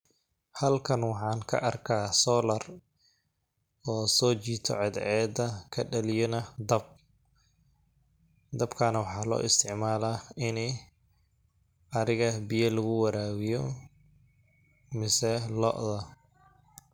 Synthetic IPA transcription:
hɐlkʰɐnwɑħɑːnkʰɐ̰ʔɐrkʰaːsɔːlɐr | ɔːsɔːt͡ʃiːt̪ʰɔ̰ʕɛd̪ʕɛːd̪ɐkʰɐɖɐlɪjɐnɐd̪ɐb̚ | d̪ɐbkʰaːnɐwɑħɑːlɔ̰ːʔɪst̪ʰɪʕmaːlaɪnɛ | ʔɐɾɪɣɐbɪjɐlɐɣʊwɐɾaːwɪjɔ | mɪsɛlɔ̰ʔðɐ

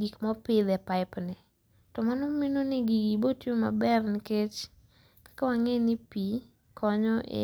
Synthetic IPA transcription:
ɡikmɔpɪd̪ɛpaɪpnɛ | tɔmanɔminonɪɡiɡibotjoma̰bɛrnɪket͡ʃ | kḁkawaŋenɪpi | kʰɔɲɔʔɪ̰

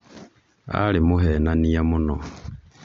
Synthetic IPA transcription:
a̰limuɦɛnanijamunɔ

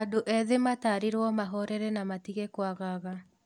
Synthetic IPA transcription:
adoʔɛðemataːɾiɾwɔmaɦɔɾɛɾɛnamatiɣɛkwaɣaɣa

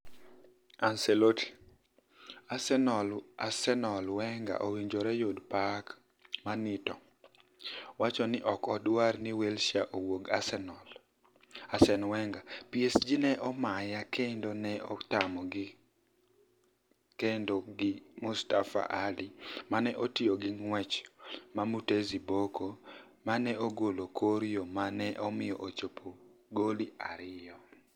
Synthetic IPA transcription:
ansɛloti̥ | asɛnɔla̰sɛnɔlwɛŋɡa̰ʔowiɲd͡ʒɔɾɛjodpak | manɪtɔ | wat͡ʃɔnɪʔɔkɔdwarnɪwelʃaʔowoɡasɛnɔl | asɛnwɛŋɡapjesd͡ʒinɛʔɔmajakʰendonɛɔtamɔɡɪ | kendoɡɪmustafa̰ʔalimanɛʔotɪoɡɪŋwɛt͡ʃmamuteziboko | manɛoɡolokʰoɾjomanɛʔɔmɪjɔʔot͡ʃopʰoɡoliaɾɪjɔ

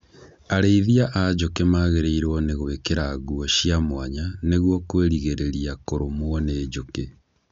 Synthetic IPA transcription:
aɾeiðiaʔad͡ʑokemaːɣeɾeiɾwɔneɣoekeɾaɣuɔʃiamwaɲaneɣwɔkweɾiɣeɾeɾiakoɾomwɔneːd͡ʑoke

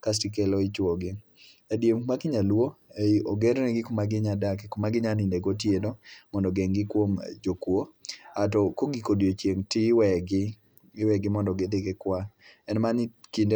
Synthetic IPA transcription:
kas̬tik̬elɔɪt͡ʃwoɡɪ | adjemmakɪɲalwooɡeɾnɛɡɪkomaɡɪɲadakkomaɡɪɲanindeɡotjedɔmɔndɔɡeŋɡɪkwomd͡ʒokwoatɔkoɡikodjot͡ʃjeŋtɪwɛɡɪ | ɪwɛɡɪmɔndɔɡed̪ekekwaɛnmankinde

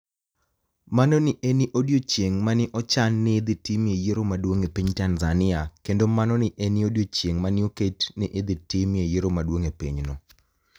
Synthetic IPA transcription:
manɔnɪʔeniʔodjot͡ʃjeŋmanɪʔɔt͡ʃanːɪːd̪ɪtimjejeɾomadwoŋepiɲtanzanɪakendomanɔnɪʔeniodjot͡ʃjeŋmanɪoketnɪʔɪd̪ɪtimejeɾomadwoŋepiɲnɔ

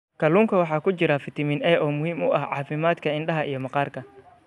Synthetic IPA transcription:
kʰɐluːŋkʰɐwɑħɑːkʰʊt͡ʃɪɾɐfɪt̪ʰɪmɪnɛːʔɔːmʊhiːmʊʔɐhʕɑ̰ːfɪmaːd̪kʰɐɪnɖɐɦɐʔijɞmɐqɑːrkʰɐ

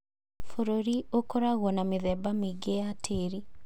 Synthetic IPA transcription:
foɾoɾiokoɾaɣɔnamɪðɛbamiɡeatʰeɾi

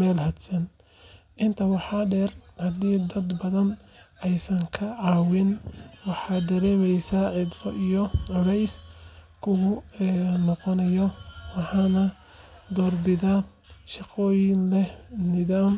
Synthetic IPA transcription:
mɛːlhɐd̪sɐn | ʔɪnt̪ʰɐwɑħɑːɖɛːrhɐd̪iːd̪ɐd̪bɐðɐn | ʔɛjsɐŋkʰɐʕɑːwɪnwɑħɑːd̪ɐɾɛːmɛjsaʕɪd̪ɾɔʔijɔʕɔɽɛjs | kʰʊɣʊnɔqɔnɐjɔwɑħɑːnɐ | d̪ɔːrbɪða | ʃɑqɔːjɪnlɛnɪðaːm

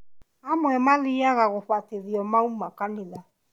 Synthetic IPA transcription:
amwɛmaliaɣaɣoɸwateðiɔmaumakanela

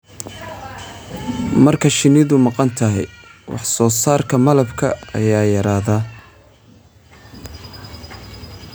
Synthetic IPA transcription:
mɐrkʰɐʃɪnɪðʊmɑqɑnt̪ʰɐɦɛ̰jwɑ̰ħsɔːsaːrkʰɐmɐlɐbkʰɐɐ̰jaːjɐɾaːðaː

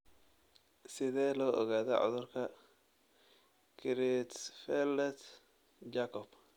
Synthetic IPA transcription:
sɪðɛːlɔːʔɔɣaːðɔʕʊ̰ðʊrkʰɐ | kʰɪɾɪt̪fɛlɛt̪ | d͡ʒaːkʰɔb̥

